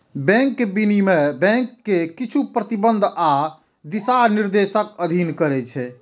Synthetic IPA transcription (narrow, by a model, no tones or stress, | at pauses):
bɛ̃ŋkːebinimebɛ̃ŋkːekit͡ʃʰupɾət̪ibənd̪ʱa | d̪isaniɾd̪esəkəd̪ʱinkəɾɛt͡ʃʰɛ